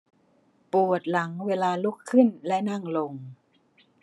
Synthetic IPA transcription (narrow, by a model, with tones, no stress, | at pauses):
pu˨˩ə˩t̪̚la˩˦ŋweː˧laː˧lu˦˥˩kʰːɯ˥˩nlɛ˦˥ʔna˥˩ŋlo˧ŋ